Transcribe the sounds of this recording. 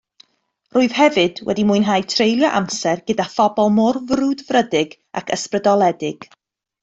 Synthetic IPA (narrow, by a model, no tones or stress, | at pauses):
rʊːɨð̥hɛvɨd̥wɛ̰dimuɨnɦajtʰrejlˠjɔʔa̰msɛrɡədafɔbɔlˠmɔrvrudvrədɪɡ | a̰kʰə̰sprədɔlˠɛdɪɡ̥